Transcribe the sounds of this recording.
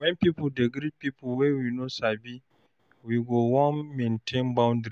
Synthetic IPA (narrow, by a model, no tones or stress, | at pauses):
wɛ̃npipudeɡɾipipuwewinosabi | wiɡowɔ̃nmẽntʰẽnbãʊ̃ndɾ